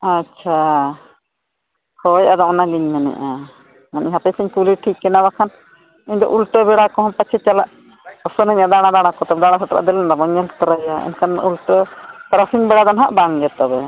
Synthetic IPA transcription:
at͡ʃʰa | hɔjad̪ɔʔnaliɲmɛnɛ̰ʔa | manʔḭɲɦapɛsɛɲkuliʈʰikːɛnabakʰan | ɛɲd̪ɔ̰ʔulʈɔbɛɽakɔɦɔ̃pat͡ʃʰɛt͡ʃalaʔ | ɔsɔnəɲad̪aɽ̃ãd̪aɽ̃akɔt̪abɛd̪aɽ̃asɔt̪ɾa̰ʔd̪ɛlɛnɾabɔɲɛlt̪ɔɾajaɛ̰nkanṵlʈɔt̪ɾasiŋbɛɽad̪ɔnɦaʔbaŋd͡ʒɛt̪ɔbɛ

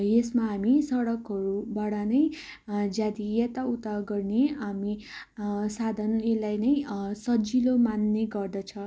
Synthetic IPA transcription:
jesmaɦamisʌɽʌkɦʌɾubaɽʌnʌj | d͡zad̪ijet̪aut̪aɡʌrneami | sad̪ʱʌnelajnʌjsʌd͡zilomanːeɡʌrd̪ʌt͡sʰʌ

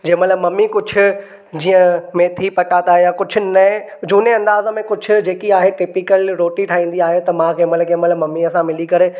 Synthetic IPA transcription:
d͡ʑeːə̃mɐt̪ləbmɐmːikʊd͡ʑʱʊ̆ | d͡ʑiːə̃mẽt̪ʰipɐʈãːt̪aːɦjãkʊd͡ʑʱʊ̆nɐ | d͡ʑuːneɐ̃nd̪aːzəmẽkʊd͡ʑʱʊ̆d͡ʑeːkiaːɦeʈɪpikəlɾoːʈiʈʰaːĩːn̆d̪iaːɦet̪ɐmãkʰẽːmətlkʰeːmələmɐmːiɐsãmɪlikɐɾe

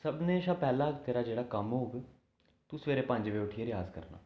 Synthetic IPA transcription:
səbneːʃaːpɛːlãːkt̪eːɾaːd͡ʒeːɽaːkəmɦoːɡ | t̪uːsʋeːɾeːpə̃ɲd͡ʒʋeːʊʈʰieɾjaːzkə̰ɾna̰ː

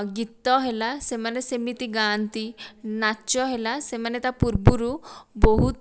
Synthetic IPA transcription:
ɡit̪ːɔɦelasemanesemit̪iɡant̪inaːt͡ʃɔɦelasemanet̪apuɾbuɾubɔɦut̪

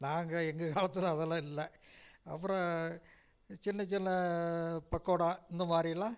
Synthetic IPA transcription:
naːŋɡɐeŋɡɨkaːlɐt̪ːilɐðɐlɐilːɐɐ̰pːɾɐ | t͡ɕinːɐt͡ɕinːɐ | pɐkːoːɽaːenːɨmaːrijɐɭaː

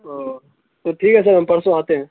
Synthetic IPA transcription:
o | t̪oʈʰiːkɦɛs̬ɐɾɦɐmpɐɽsõaːt̪eɦɛ̃ː

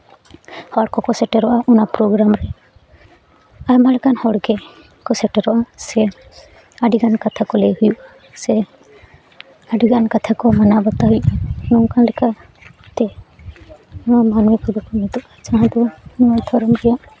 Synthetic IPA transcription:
hɔɽkɔkɔsɛʈɛɾɔʔaʔunapɾoɡɾamɾɛ | aɾmalɛkanhɔɽɡɛ | kɔsɛʈɛɾɔʔasɛ | aɖiɡankat̪ʰakɔlejhujuʔa | sɛ | aɖiɡankat̪ʰakɔmanabɔt̪aɦujʔanɔkanlɛka | t̪ɛ | amanuikʰɔbɔkɔnit̪ɔʔad͡ʒaɦãd̪ɔnɔat̪ʰɔɾɔmɾɛjaʔ

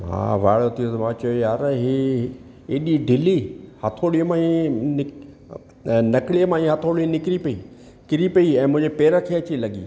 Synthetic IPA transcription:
mã̰ʋa̰ːɭot̪ʰijot̪mãːt͡ʃɐjojaːɾɦi | eːɗiɖɪlihat̪ʰoːɽiəmãːinɪ | nɐkɭijəmãːĩɦat̪ʰoːɽinɪkɪɾipɐiː | kɪɾipɐiɛ̃ːmʊ̃ɦɪ̃ɲd͡ʑepeːɾakʰeɐt͡ɕilɐɠḭː

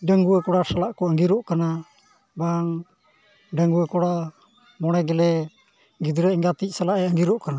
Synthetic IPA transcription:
ɖəŋɡuəkɔɽasalaʔkɔəŋɡiɾɔʔkana | baŋ | ɖəŋɡuwəkɔɽa | mɔɽ̃ɛɡɛlɛ | ɡid̪uɾɛɛŋɡat̪ic̚ˀsalaʔɛəŋɡiɾɔʔkana

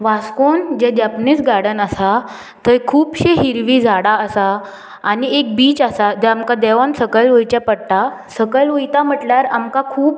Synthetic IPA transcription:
ʋaskond͡ʑɛd͡ʑapnit͡sɡaɽənasa | t̪əjkʰuːpɕeɦiɾʋid͡zʱaɽaəsaː | niek̚biːt͡ɕasad͡ʑɛamkad̪ɛʋansəkəlʋojt͡ɕapəɽʈasəkəlʋojt̪am̤əʈljaɾamkakʰuːp

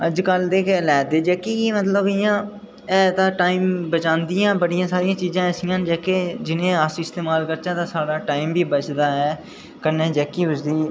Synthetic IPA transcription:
əd͡ʒkəld̪eːkɛlɛːd̪eːd͡ʒɛːkːiːkiːmət̪ləbɪjãː | ɛːt̪ãːʈaːiːmbət͡ʃãːnd̪ijãːbəɽijãːsaːɾijãːt͡ʃiːzãːɛːsɪjãːnd͡ʒɛːkeːd͡ʒɪnẽːəsɪst̪eːmaːlkəɾt͡ʃãːt̪ãːsaːɽaːʈaːimbiːbət͡ʃd̪aːɦɛː | kənːẽːd͡ʒɛːkːiːɦʊd͡ʒd̪iː

